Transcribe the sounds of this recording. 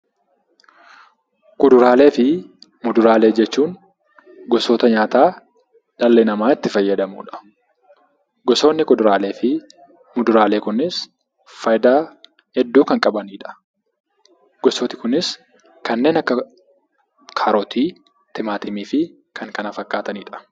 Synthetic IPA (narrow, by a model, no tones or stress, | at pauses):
kʊd̪ʊɾaːle̞ːfɪmʊd̪ʊɾaːle̞ːd͡ʒɛt͡ʃːuːŋ | ɡɔsoːt̪ɐɲaːt̪aː | ᶑɐlːenɐmaːɪt̪ːɪfɐjːɐd̪ɐmṵːᶑɐ̥ | ɡɔso̞ːnːɪkʊd̪ʊɾaːleːfɪ | mʊd̪ʊɾaːle̞ːkʊnːɪs | fɐjd̪aː | hɛd̪ːuːkɐŋkʼɐbɐniːᶑɐ̥ | ɡ̥ɔsoːt̪ɪ̥kʊnɪs | kɐnːe̞ːnɐkːɐ | kʰaːɾɔt̪ʰiː | t̪ɪmaːt̪ɪmiːfɪ | kɐŋkɐnɐfɐkːaːt̪ɐniːᶑɐ̥